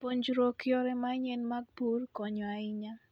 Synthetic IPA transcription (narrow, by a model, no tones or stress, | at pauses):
poɲd͡ʒuɾokjɔɾɛmaɲɛnmaɡ̚burkɔɲɔaɪɲa